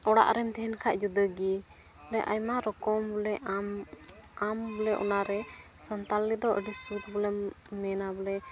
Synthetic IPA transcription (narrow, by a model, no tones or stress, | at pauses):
ɔɽa̰ʔɾɛmt̪ʰɛnkʰaʔd͡ʒud̪əɡi | blɛʔajmaɾɔkɔmbulɛ | ambulɛʔɔ̰naɾɛ | sənt̪alːid̪ɔʔə̰ɖisut̪bulɛ | mɛnabulɛ